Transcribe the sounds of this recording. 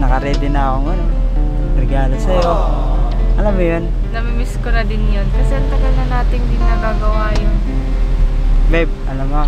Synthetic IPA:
nɐkɐɾɛːd̪ɪnaːʔoŋɐno | ɾɪɡaːlɐsɐjo | ʔɐlamʊjon | nɐmimɪskonɐd̪ɪnjankɐsɛnt̪ɐɡɐnɐnaːt̪ɪnd̪ɪnɐɡaɡɐwaːjon̩ː | babʔɐlamo

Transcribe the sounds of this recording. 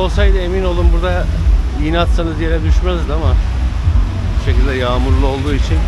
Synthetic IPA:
o̞lˠsajd̪ɯe̞mino̞lˠumbuɾd̪a | iinat̪sanɯzje̞ɾɛd̪yʃmæzd̪ama | biʃecilʲd̪ɛjaːmuɾlˠuo̞lˠd̪uːit͡ʃʰin

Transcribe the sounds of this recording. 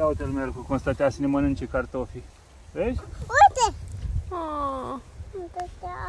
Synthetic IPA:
awut̪elmerkukonst̪at̪asinemənɨnt͡ʃekart̪ofi | vezʲut̪eo | mt̪ət̪a

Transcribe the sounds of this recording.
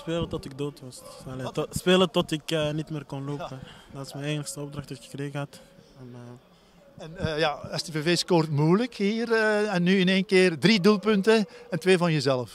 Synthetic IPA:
speːlətɔtɪk̚doːtʋɑsaletspeːlˠətɔtɪkənitmeːrkɔnloːpədɑtɪ̥smɛnenəxstəɔb̚drɑxtdɔɪkxə̥kreːɣəɑtɛnə | ɛnjaɛstəveveːskortmujləkhiːrəɛnːyɪneːnkɪːrdridulˠpɵntəɛntʋeːvɑnjəzɛləf

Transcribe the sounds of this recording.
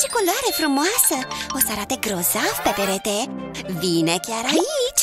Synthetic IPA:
t͡ʃikolaɾefɾumasəosaɾat̪eɡɾozafpepeɾet̪eviːnɛkjaɾait͡ʃ

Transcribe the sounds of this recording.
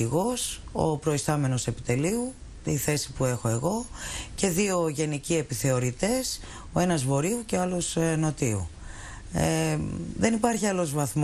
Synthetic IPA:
iɣo̞so̰pɾo̞ist̪ɐme̞no̞se̞pi̥t̪e̞liu | t̪iθe̞si̥pue̞xo̞e̞ɣo̞ce̞ðio̞ʝe̞nicie̞piθe̞o̞ɾit̪e̞s | oe̞nɐzvo̞ɾiuceɐlo̞sno̞t̪iṵ | eðe̞nipɐɾçiɐlo̞zvɐθm

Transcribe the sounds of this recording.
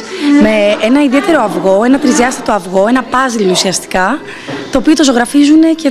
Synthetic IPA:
meenɐiðie̞t̪e̞ɾo̞ɐvɣo̞e̞nɐt̪ɾiziɐst̪it̪oɐvɣo̞e̞nɐpɐzilousiɐst̪i̥kɐ | t̪o̞ːpiot̪o̞zo̞ɣɾɐfizune̞ce

